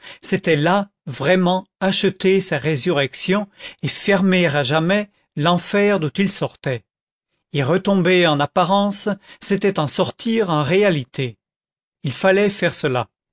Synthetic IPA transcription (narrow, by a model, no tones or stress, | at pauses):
set̪ɛla | vʁɛmɑ̃aʃət̪esaʁezyʁɛksjɔ̃efɛʁmeʁaʒamɛ | lɑ̃fɛʁd̪ũt̪ilsɔʁt̪ɛ | ilʁət̪ɔ̃bɛɑ̃napaʁɑ̃sːet̪ɛt̪ɑ̃sɔʁt̪ʰiʁɑ̃ʁealit̪ʰe | ilfalɛfɛʁsəla̰